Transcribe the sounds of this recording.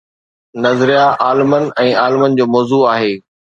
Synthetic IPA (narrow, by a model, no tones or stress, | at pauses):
nɐzɾijaʔaːlɪmənɪ̆ɛ̃ːaːlɪmənɪ̆d͡ʑoːmɔːzuaːɦeː